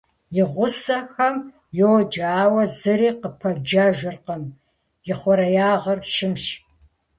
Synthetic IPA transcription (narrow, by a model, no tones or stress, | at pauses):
jɪʁʷʊsɐxɐm | jowd͡ʒaːwɐzɨɾiːqəpʰɐd͡ʒaːʒʷɨrqɐm | jɪχʷɔɾɐjaːʁɐrʃɪmʃ